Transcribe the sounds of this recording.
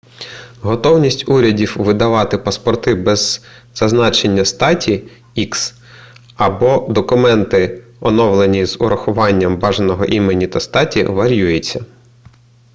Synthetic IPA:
ɦɔt̪ɔwnʲisʲtʲuɾʲɐdʲiwʋɪd̪ɐʋɑt̪ɪpɐspɔrt̪ɪbɛz̥ː | ɐznɑt͡ʃenʲːɐst̪ɑtʲi | iks | ɐbɔd̪ɔkʊmɛnt̪ɪɔnɔwlˠenʲiz̥ʊɾɐxʊʋɑnʲːɐmbɑʒnɔɦɔʔimenʲit̪ɐst̪ɑtʲḭʋɐɾʲjujet͡sʲːɐ

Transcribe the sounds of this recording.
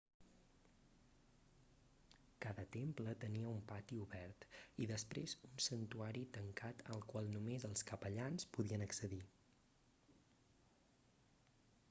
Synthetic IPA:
kaðət̪emplət̪əniəumpat̪iuβɛrt̪iðəspɾezunsənt̪uaɾit̪əŋkat̪ə̰lˠkwalˠnumezəlˠskəpəʎanspuðiənəksəði

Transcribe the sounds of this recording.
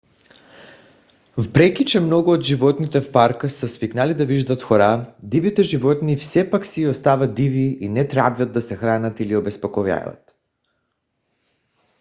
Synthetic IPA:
vpɾɛkʲit͡ʃɛmnɔɡuod̪ʒivɔt̪nit̪ɛfpaɾkasasviknalid̪aviʒd̪at̪xɔɾad̪ivit̪ɛʒivɔt̪nifsɛpaksiost̪avad̪iviːnɛt̪ɾabjad̪̚d̪ːasɛxɾanat̪iliobɛspokɔvja̰ja̰t̪

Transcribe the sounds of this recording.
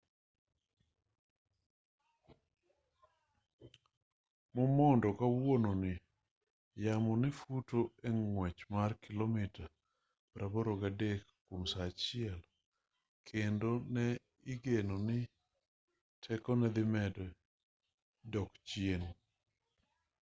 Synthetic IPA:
mɔmɔndɔkawononɪ | jamɔnɪfutoeŋwɛt͡ʃmarkʰɪlomɪta | pɾʔaboɾoɡadekkːomsat͡ʃɪɛl | kʰendonɛ | ɪɡenonɪ | tʰɛkɔnɛd̪ɪmɛdɛ | dɔkt͡ʃɪen

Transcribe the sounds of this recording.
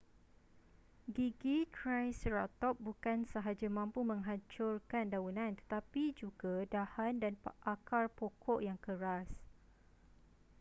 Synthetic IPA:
ɡiɡikʰɾajsɾat̪ɔp̚bukansəɦad͡ʒamãmpumə̃ŋɦat͡ʃʊrkandaunãnt̪ə̥t̪apid͡ʒuɡadahandanʔakarpokʰɔʔjaŋkəɾas

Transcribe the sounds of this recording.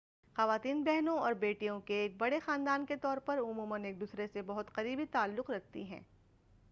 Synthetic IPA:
xɐʋaːt̪iːnbɛɦnõɔːɾbeːʈijõkeːk̚bɐɽexaːnd̪aːnket̪ɔːɾpɐɾʊmuːməneːk̚d̪uːsɾesebɐɦʊt̪qɐɾiːbit̪aːlːʊqɾɐk̚ʰt̪ḭɦɛ̰̃ː

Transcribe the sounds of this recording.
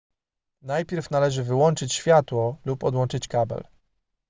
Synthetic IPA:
najpʲjɛɾfnalɛʐɘvɘwɔnt͡ʂɘt͡ɕɕfʲjat̪wɔlupɔd̪wɔnt͡ʂɘt͡ɕkabɛ̰l

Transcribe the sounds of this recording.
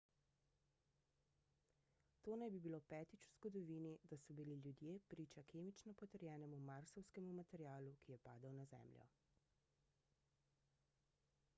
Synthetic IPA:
t̪oːnajbibiloːpɛːt̪it͡ʃuz̥ɡɔd̪ɔʋiːnid̪asɔbililjud̪jeːpɾiːt͡ʃakʰeːmit͡ʃnɔpɔt̪əɾjɛːnɛmumaɾsɔwskɛmumat̪ɛɾijaːlukijɛpaːd̪ɐwnazɛ̰ːmljɔ̰

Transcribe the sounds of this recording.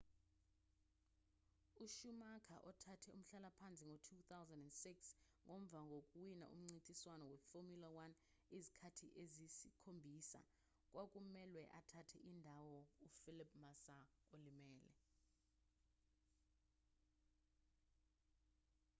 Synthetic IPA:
uʃumakʰa̰ʔɔtʰatʰɛṵm̩ɬalapʰant͡sʼiŋotʰut̪awzandɛndsiks | ŋom̩vaŋɡʱokʼuwina̰ʔṵm̩ŋ͡ǀintʼiswanɔwefomjulawan | izikʰatʰḭʔezisikʰombʱisa̰ | kʼwʔakʼumɛlwɛʔatʰatʰɛʔindʱawɔufilip̚ʰʼmasaolimɛːlɛ̰

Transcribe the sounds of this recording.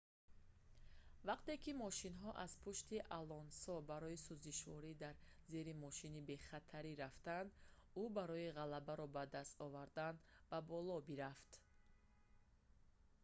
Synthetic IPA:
vaqt̪e̞kimɔʃinɦɔʔaz̥pʰuʃt̪iʔalɔnsɔbaɾɔisuziʃvɔɾid̪aɾze̞ɾimɔʃinibe̞χat̪ʰaɾiɾaft̪and̪ubaɾɔiʁalabaɾɔbad̪ast̪ɔvaɾd̪anb̥abɔlɔbiɾaft̪

